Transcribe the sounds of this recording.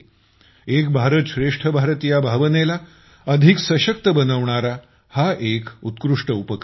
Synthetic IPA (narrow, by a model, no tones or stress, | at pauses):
ek̚bʱaɾət̪ɕɾeʂʈʰəbʱaɾt̪ijabʱaʋənela | əd̪ʱiksəɕək̚t̪əbənəʋɳaɾa | haʔekut̪kɾuʂʈəupək